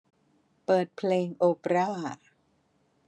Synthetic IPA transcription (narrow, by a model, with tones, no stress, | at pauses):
pɤː˨˩t̪̚pʰleː˧ŋʔoː˧pɾaː˥˩